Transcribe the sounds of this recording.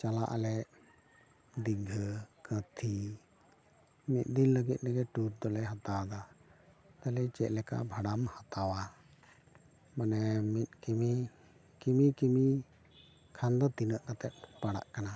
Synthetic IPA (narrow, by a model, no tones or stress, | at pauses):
t͡ʃalaʔa̰lɛ | d̪iɡʱəkət̪ʰi | mit̪̚ˀd̪inləɡit̪̚ˀnɛɡɛʈuɾ̚d̪ɔlɛɦat̪aad̪a | t̪alɛt͡ʃɛʔlɛka̰ʔbʱaɽamhat̪awa | manɛmit̪̚kimi | kimikimi | kʰand̪ɔt̪inəʔkat̪ɛt̪̚paɽa̰ʔkana